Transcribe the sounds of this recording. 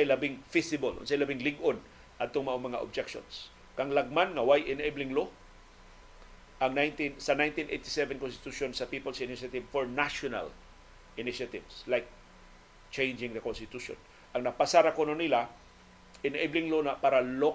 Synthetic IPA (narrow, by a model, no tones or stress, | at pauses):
sajlɐbɪŋfɪsɪbolʔo̰nsajlabɪŋlɪɡʔon | ʔɐd̪̚t̪oŋmɐʔoŋmɐŋa̰ʔob̚d͡ʒɛkʃo̰ns | kɐŋlɐɡ̚manŋɐwajʔɪneblɪŋlo | ʔɐŋnajnt̪insɐnãj̃nt̪inʔejt̪ɪ̥sɛvɛnkonst̪ɪ̥t̪uʃonsɐpiːpolsɪnɪʃat̪ɪvfoɹnaʃona̰l | ʔɪnɪʃat̪ɪvslajk̚ | t͡ʃẽjnd͡ʒɪ̃ŋðɐkonst̪ɪt̪uʃo̰n | ʔɐŋnɐpasaɾakononɪla | ʔɪneblɪŋlonapaɾalo